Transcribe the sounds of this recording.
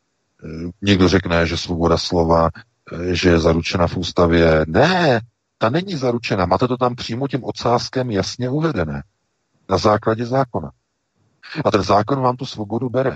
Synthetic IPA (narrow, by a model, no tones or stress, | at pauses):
ɲɪɡdo̞rɛknɛʒɛsvo̞bo̞daslo̞va | ʒɛjɛzaɾut͡ʃɛnafʔuːst̪avjɛnɛ | t̪anɛɲizaɾut͡ʃɛnamaːt̪ɛt̪ot̪ampr̝̥iːmocɛmʔo̞t͡saːskɛmjasɲɛuvɛdɛnɛː | nazaːklaɟɛzaːko̞na | at̪ɛnzaːko̞nvaːmt̪usvo̞bo̞dubɛɾɛ